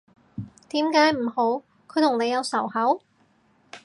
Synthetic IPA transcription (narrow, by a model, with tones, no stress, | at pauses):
t̪iː˨˥mkaː˨˥jm̩˨˩ho˨˥w | kʰɵ˨˧ɥt̪ʰʊ˨˩ŋne˨˧jɐ˨˧wsɐ˨˩whɐ˨˥w